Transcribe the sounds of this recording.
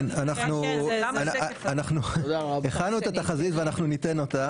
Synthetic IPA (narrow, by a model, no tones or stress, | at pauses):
nanaχnuananaχnueχadnuet̪at̪aχazit̪veanaχnunit̪e̞no̞t̪a